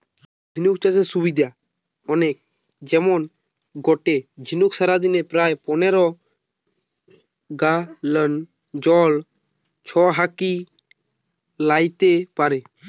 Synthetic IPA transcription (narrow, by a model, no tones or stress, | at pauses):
d͡ʒʱinukt͡ʃad͡ʒesubid̪ʱa | ɔnek̚ | d͡ʑɛmon | ɡɔʈed͡ʑʱinuksaɾad̪inepɾaepɔneɾɔ | ɡalən | d͡ʑɔl | t͡ʃʰɔɦaki | lajt̪epaɾe